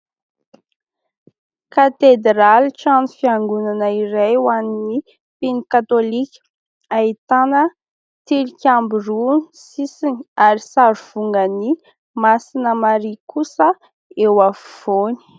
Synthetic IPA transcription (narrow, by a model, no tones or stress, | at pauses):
kat̪ed̪ɾalʈ͡ʂanifiaŋɡunanəiɾejwanini | pinikat̪olikʲə̥ | ait̪anə | t̪iɾikʲambiɾunisisinaɾisaɾv̥uŋɡəni | masinəmaɾikusə | ewafv̥oni̥